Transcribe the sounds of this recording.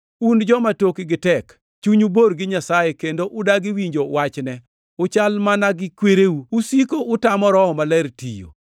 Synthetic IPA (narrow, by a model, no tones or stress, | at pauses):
und͡ʒɔmatokiɡɪtɛk | t͡ʃuɲuboɾɡɪɲasajekendoʔʊdaɡɪwiɲd͡ʒowat͡ʃnɛ | ʊt͡ʃalmanaɡɪkweɾeuusikoʊtamɔɾɔhɔmalɛɾtḭjo̰